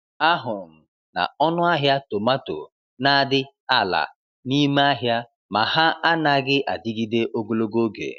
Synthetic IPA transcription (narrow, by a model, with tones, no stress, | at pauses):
a˦ɦʊ˨m̩˨ | na̰˨ɔ˦nʊ˦a˦ɦja˦to˨ma˦to̰˨ | na˦a˦˨dɪ˦ | a˦la̰˨ | ni˦me˦a˦ɦja˦ | ma˨ha˦a˦na˦ɡɪ˦ʔa̰˨di˦ɡi˦de˦ʔo˦ɡo˨lo˦ɡo˦ɡḛ˨